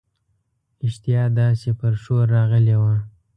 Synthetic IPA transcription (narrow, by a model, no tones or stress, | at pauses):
ɪʃt̪ijɑd̪ɑsepəɾʃoɾːɑɣəlewa